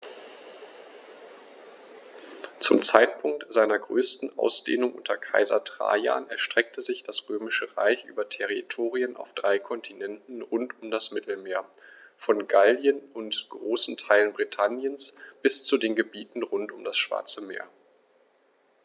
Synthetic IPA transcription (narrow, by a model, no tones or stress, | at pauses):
t͡sʊmt͡saɪtpʰʊŋk̚tz̥aɪnɐɡʁøːstn̩ʔa̰ʊsd̥ḛːnʊŋʔʊntʰɐkʰa̰ɪzɐtʁ̥a̰ːja̰ːnʔɛɐʃtʁ̥ɛk̚tʰəzɪçd̥asʁ̥øːmɪʃəʁa̰ɪçʔy̰ːbɐtʰɛʁitʰoːʁiənʔa̰ʊfd̥ʁaɪkʰɔntʰinɛntn̩ʁʊntʊmdasmɪtl̩meːɐfɔnɡaldjənʊntɡ̥ʁoːsn̩tʰaɪlənbʁitʰanjənsb̥ɪst͡sudeːnɡəbiːtn̩ʁʊntʊmdasʃv̥a̰ɐt͡səmḛːɐ